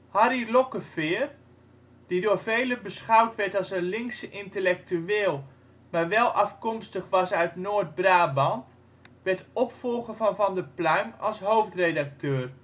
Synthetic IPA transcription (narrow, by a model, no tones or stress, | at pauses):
hɑɾilokəfɪːr | d̥idʊːrvejləbəsχawtʋɛɹtɑlˠsənlɪŋksəʔɪntəlɛk̚tyeːlˠ | maːɹʋɛlˠʔɑfkɔmstəχʋɑsœɥtnoːrt̚braːbɑnt | ʋɛɹtɔpfɔlˠχəvɑnvɑndəplœɥmɑ̰lˠsɦowftredak̚tøːr